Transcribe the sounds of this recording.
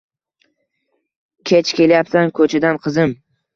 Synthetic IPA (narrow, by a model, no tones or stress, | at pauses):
kʲʰet͡ʃkʲe̞ljapsankʰɵt͡ʃʰad̪anqʰɨzɪm